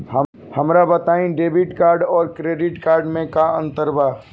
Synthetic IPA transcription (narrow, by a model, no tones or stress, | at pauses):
hə | hɐmɾabət̪aːĩɖeːbɪʈkaːɾɖɔːɾkɾeːɖɪʈkaːɾɖmẽkaə̃nt̪əɾbaː